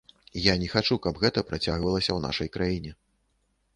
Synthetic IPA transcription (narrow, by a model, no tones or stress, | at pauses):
janʲɛxat͡ʂukɐbɣɛt̪ɐpɾat͡sʲaɣvɐlˠɐsʲɐwna̰ʂɐjkɾajinʲɛ